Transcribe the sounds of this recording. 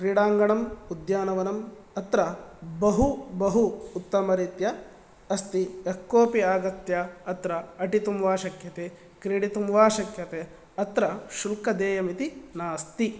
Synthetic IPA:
kɾiːɽaːŋɡɐɳɐmud̪jaːnɐʋɐnɐmɐt̪ɾɐbɐɦubɐɦuːt̪ːɐmɐɾit̪jɐ | ɐst̪iɐkːoːpiaːɡɐt̪jɐɐt̪ɾɐɐʈit̪umʋaːʃɐkjɐt̪e | kɾiɽit̪umʋaːʃɐkjɐt̪e | ɐt̪ɾɐʃulkɐd̪eːjɐmit̪inaːst̪i

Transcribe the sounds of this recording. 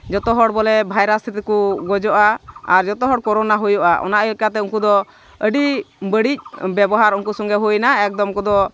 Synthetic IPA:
d͡ʒɔt̪ɔɦɔɽbɔlɛbʱajɾasit̪ɛkuɡɔd͡ʒɔʔaːɾd͡ʒɔt̪ɔɦɔɽkɔɾɔnaɦujɔʔaʔɔ̰naʔəlɛkat̪ɛuŋkud̪ɔ | əɖibəɽic̚bɛbɔɦaɾunkusɔŋɡɛɦujnaɛk̚d̪ɔmkɔd̪ɔ

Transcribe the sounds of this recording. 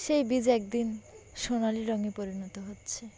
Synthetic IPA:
ʃejbid͡ʑɛk̚d̪inʃonaliɾɔŋepoɾinɔt̪oɦotːɕʰe

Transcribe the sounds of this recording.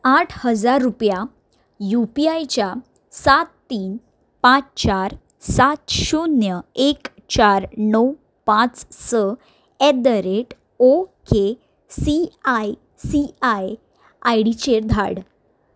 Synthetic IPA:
aʈʰhəd͡zaɾːupja | jupiajt͡ɕja | sat̪ːiːn | pãt͡st͡ɕaɾ | sat̪ɕunjəek | t͡ɕaɾnəw | pãt͡ssə | ed̪əɾeʈ | oke | siaj | siaj | ajɽit͡ɕeɾd̪ʱa̰ɽ

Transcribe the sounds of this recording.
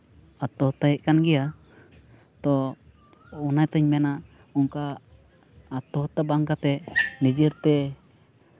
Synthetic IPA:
at̪ɔɦt̪aɦiʔ̚kanɡɛja | t̪ɔ | ɔnajt̪əɲmɛna | ɔŋkaː | t̪ɔɦɔt̪abaŋkat̪ɛnid͡ʒiɾt̪ɛ

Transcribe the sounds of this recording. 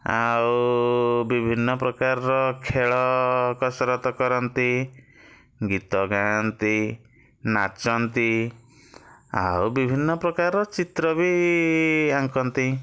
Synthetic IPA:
a̰w | bibʱinːɔpɾɔkaɾɔɾɔkʰeɭɔkɔsɔɾɔt̪ɔkɔɾɔnt̪i | ɡit̪ɔɡant̪i | nat͡ʃɔnt̪i | a̰wbibʱinːɔpɾɔkaɾɔt͡ʃit̪ɾɔbʱi | aŋkɔnt̪i

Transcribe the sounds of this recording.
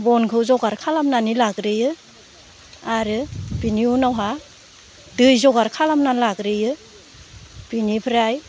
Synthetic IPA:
bɔnkʰɯwzɔɡaɾkʰalamnanilakɾɯjɯ | aɾɯbiniunawɦa | dɯjzɔɡaɾkʰalamnanlakɾɯjɯ | b̥inipʰɾaj

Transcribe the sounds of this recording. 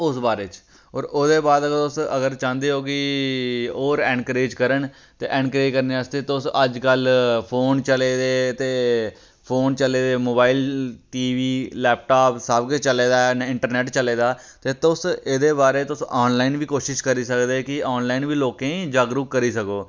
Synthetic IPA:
ʊsbaːɾeːt͡ʃ | ɔːɾoːd̪eːbaːd̪əɡəɾt̪ʊsəɡəɾt͡ʃãːnd̪eːɦoːkɪ | oːɾɛ̃ːɳkɾeːd͡ʒkəɾəɳ | t̪eːʔɛ̃ːɳkəɾeːd͡ʒkəɾneːəst̪eːt̪ʊsəd͡ʒkəlpʰoːnt͡ʃəleːd̪eːt̪eː | pʰoːnt͡ʃəleːd̪eːmoːbaːilʈiːʋiːlɛːp̚ʈaːpsəbkt͡ʃəleːd̪aːnɪɳʈəɾnɛːʈt͡ʃəleːd̪aː | t̪eːt̪ʊsɪd̪eːbaːɾeːt̪ʊsɔːnlaːinʋiːkoːʃɪʃkəɾiːsəkd̪eːkɪɔːnlaːiːnʋiːloːkẽːd͡ʒaːɡɾuːkːəɾiːsəkoː

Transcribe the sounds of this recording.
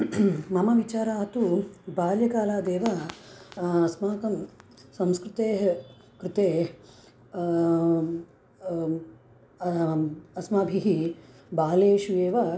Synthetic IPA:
mɐmɐʋit͡ʃaːɾaːɦɐt̪ubaːljɐkaːlaːd̪eːʋɐ | ɐsmaːkɐmsɐ̃mskɾɪt̪eːɦ | kɾɪt̪eː | ɐsmaːbʱiɦi | baːleːʃueːʋɐ

